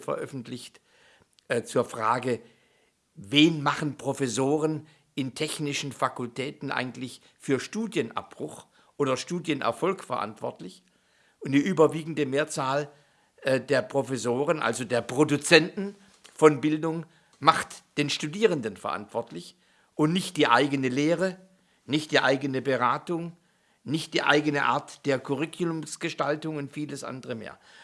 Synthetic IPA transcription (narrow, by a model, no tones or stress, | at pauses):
fɐ̰ʔœ̰fn̩tʰlɪçtː | t͡suːɐfʁ̥aːɡə | veːnmaχn̩pʁ̥ofɛsoːʁən | ʔɪntʰɛçnɪʃn̩fakʊltʰɛːtn̩ʔa̰ɪɡŋ̩tlɪç | fyːɐʃtuːdjənʔa̰p̚b̥ʁ̥ʊx | ʔoːdɐʃtuːdjənʔɛ̰ɐfɔlkfɛɐʔa̰ntv̥ɔ̰ɐtlɪç | ʔʊntd̥iːʔyːbɐviːɡŋ̩dəmeːɐt͡saːl | deːɐpʁ̥ofɛsoːʁənʔa̰lzodeːɐpʁ̥odut͡sɛntn̩ | fɔnbɪldʊŋ | maχtd̥eːnʃtudiːʁəndənfɛɐʔa̰ntv̥ɔɐtlɪç | ʔʊntnɪçt̚d̥iːʔaɪɡənəleːʁə | nɪçtd̥iːʔa̰ɪɡənəbəʁaːtʊŋ | nɪçt̚d̥iːʔa̰ɪɡənəʔa̰ːɐtd̥eːɐkʰʊʁɪkʰjʊlʊmsɡ̥əʃtaltʊŋʊntfiːləsʔa̰ndəʁəmḛːɐ